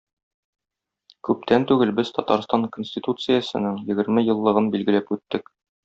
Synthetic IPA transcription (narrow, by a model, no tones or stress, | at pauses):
kʉp̚t̪ænt̪ʉɡɘlbɘz̥t̪ʰɒt̪ɑɾst̪ɑŋkonsʲt̪ʲit̪ut̪sɨjəsɤ̆nɤŋjɘ̆ɡɘ̆ɾmɘjɤ̆lˠːɤ̆ʁɤnbilɡɘ̆læpʉt̪ːɘk